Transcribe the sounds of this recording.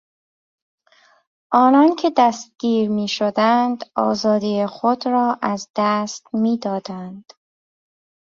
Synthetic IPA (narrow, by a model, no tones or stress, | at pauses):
ʔɒːnɒːncʰe̞d̪æst̪̚ɡ̥iːɾmiːʃod̪ænd̪ɒ̰ːzɒːd̪ijexod̪ɾɒːʔæzd̪æst̪miːd̪ɒːd̪ænd̪̥